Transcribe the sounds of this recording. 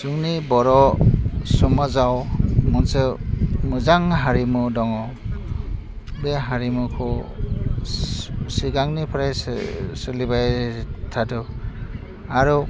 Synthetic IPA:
suŋnibɔɾɔ | sɔmazawmɔnsɯmɯzaŋɦaɾimudɔŋɔ | beɦaɾimukʰɔ | siɡaŋnipʰɾaj̰sɯlibajtʰadɯ | aɾu

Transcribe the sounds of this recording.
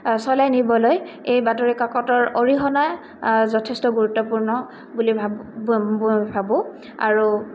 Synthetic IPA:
sɔlajnibɔloj | ejbatɔɹikakɔtɔɹoɹiɦɔna | zɔtʰestɔɡuɹutːɔpuɹnɔ | bulibʱa | bʱabɔ | a̰ɹu

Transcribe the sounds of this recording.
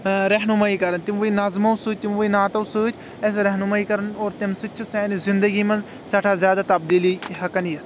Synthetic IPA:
ɾɐɦnumaːiːkɐɾɐnt̪imʋɐinɐzmɐwsuːt̪imʋuinaːt̪ɐsuːt͡ʃʰ | es̬ɾɐɦnumaːiːkɐɾɐnoːɾt̪emsɨt͡ʃʰisɛːnizɪnd̪ɐɡiːmɐ̃nz | sɐʈʰaːzjaːd̪aːt̪ɐbd̪iːlihɐkɐnjɐt̪

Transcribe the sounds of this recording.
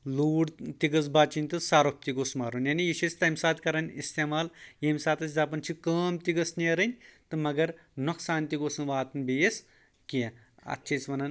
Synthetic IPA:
luːɖt̪iɡɐz̬baːt͡ʃinʲt̪ɨsaːɾop̚t̪iɡoːsmaːɾunʲjaːnijiʃʰesʲt̪ɐmʲsaːt̪kɐɾɐnʲist̪eːmaːljemʲsaːt̪ɐsʲzaːp̬ɐnʲt͡ʃʰikəːmt̪iɡɐsniɐɾɨnʲt̪ɨmɐɡɐɾ | noksaːnʲt̪iɡoːsɨnʋaːt̪ɨnbijes | ki | ɐ̰tːt͡ʃʰesʲʋɐnɐn

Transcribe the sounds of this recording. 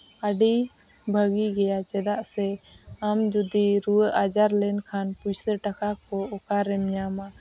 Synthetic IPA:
aɖi | bʱəɡiɡɛjat͡ʃɛd̪aʔsɛ | amd͡ʒud̪iɾuəʔad͡ʒaɾlɛnkʰanpusəɾʈakʰakɔɔkaɾɛmjama

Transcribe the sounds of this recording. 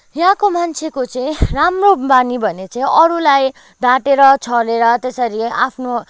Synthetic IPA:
jɦãkomant͡sʰekot͡sʌĩramrobanibʱʌnet͡sʌĩʌɾulaj | d̪ʱaʈeɾʌt͡sʰʌleɾʌt̪esʌɾiapʰno

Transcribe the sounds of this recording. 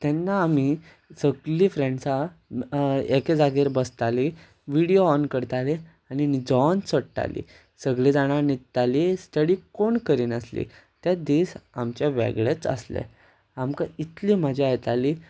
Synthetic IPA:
t̪ɛnːaːmi | səɡɭiːfɾeɳɖsa | eked͡zaɡiɾbəst̪ali | ʋiɽijoɔnkəɾt̪ale | aɽinid͡zɔnsəɽʈ̪a̰lḭː | səɡɭiːd͡zaɽ̃aɾnit̪ːalisʈ̪əɽiːkoɳkəɾiːnəslḭ | t̪jad̪isamt͡ɕjaʋɛ̰ɡɭet͡sə̰slḛ | amkait̪liːm̤əd͡ʑʱiajt̪aliː

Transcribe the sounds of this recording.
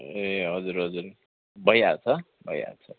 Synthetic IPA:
eɦʌd͡zuɾɦʌd͡zuɾ | bʌjat͡sʰʌ | bʌja̰t͡sʰʌ

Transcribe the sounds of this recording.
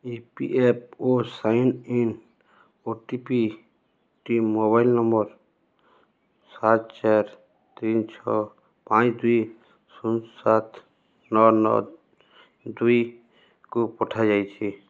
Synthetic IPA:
ipḭʔep̚osaːɪnin | oʈipi | ʈimːoːbaːɪlnəmbəɾ | saːt̪̚t͡ʃaːɾ | t̪iːnt͡ʃʰɔ | pãːt͡ʃd̪ui | sʊnsat̪ʰ | nɔːnɔ̰ | d̪ui | kopɔʈʰad͡ʒaːit͡ʃʰi

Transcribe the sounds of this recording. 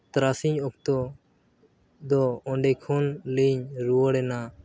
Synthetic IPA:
t̪ɾasiɲɔk̚t̪ɔ | d̪ɔɔɳɖɛkʰɔnliɲɾuɔɽɛna

